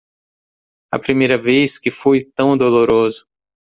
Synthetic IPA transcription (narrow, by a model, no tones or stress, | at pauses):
ɐ̰pɾimejɾɐveskɪfujt̪ɐ̃w̃d̪oloɾozʊ